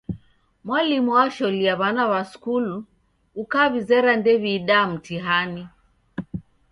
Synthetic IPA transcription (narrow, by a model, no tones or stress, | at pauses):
mwalimuwaʃɔliaβanaβaskulu | ukaβizɛɾandɛβiːɗaːm̩tiɦani